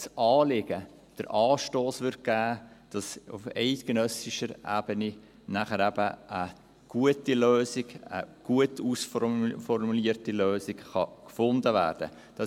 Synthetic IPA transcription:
sɑːlɪɡ̥ə | d̥əɾʔɑːʃtoːsʋɪt̚ɡ̥æːd̥ɑsufɛɪtkenœsɪʃəɾʔæːb̥əni | næχəɾæb̥əʔə | ɡ̥uətiløːsɪɡə̰ɡ̥uətʰuːsffɔrmuliərtiløːsiɡχɑkfʊndəvæ̰ːrd̥ə̰ | d̥ɑ

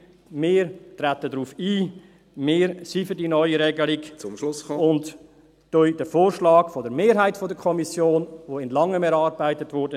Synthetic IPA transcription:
mɪːɾtɾætədɾuːfiː | mɪːɾsifədinœʏiɾɛɡəliɡmʊnt | d̥ɔʏd̥əfoːɾʃlɑːɡfodəɾmeːɾɦaɪtfodəkʰɔmisjoːnʋoɪnlɑŋəmɛɾɑɾbaɪtətʋɔɾdə

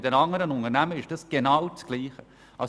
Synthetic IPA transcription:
ɪd̥ɛɾɑŋːəɾənʊnəɾnæməɪʃd̥ɑsɡ̥enɑwt͡sɡ̥liːχə | ʔɑ

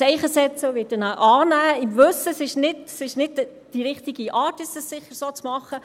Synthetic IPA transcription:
ɛɪχəsɛt͡səʋɪːt̚dənɑʔɑːnæːɪmvʉsəsɪʃnɪtsɪʃnɪd | d̥iɾɪχtiɡiʔɑːtɪstəssɪχəɾsoːt͡smɑχə

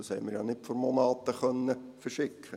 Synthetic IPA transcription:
ɑshɛɪmɪɾjɑːnɪtfoɾmonɑːt̪əχœnːəfərʃɪkʰːə

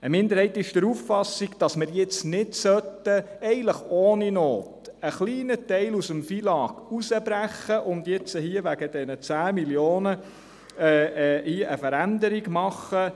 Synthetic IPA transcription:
əmɪnd̪əɾhɛɪtɪʃd̥əɾuffɑsiɡd̥ɑsməɾjɪt͡snɪdsœtːəɛɪɡələχoːninoːt̪əχliːnətɛɪlusəmfilɑːɡusəbɾæχəʔʊndjɛt͡səhiːəʋæɡ̥əd̥ɛnət͡sæːmiljoːnə | ɛhiːəʔəfəɾænd̪əɾiɡmɑχːə

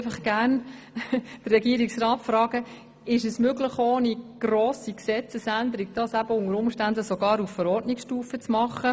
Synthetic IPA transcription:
fəχɡ̥æːɾn | d̥ərːɛɡiːəɾiksɾɑːtfɾɑːɡ̥ə | ɪʃɛsmøɡləχoːniɡ̥roːsiksɛt͡səsænd̪əɾiɡ̚d̥ɑsæb̥əʊŋəɾʊmʃtændəsoɡɑːɾuffəɾɔːdnɪksʃtuːfət͡smɑχə

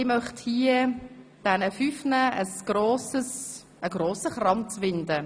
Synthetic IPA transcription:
ɪmœχthiəd̥ɛnəfyfnəəsɡ̥roːsəs | ʔəɡroːsəχrɑntvɪndə

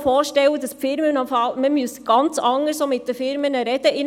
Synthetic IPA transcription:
foːʃʈɛləd̪əsfɪɾmənɑnfɑlməmysɡ̥ɑnt̪sɑŋːəɾsɔmɪt̪ːəfɪɾmənəɾɛt̪əʔɪn

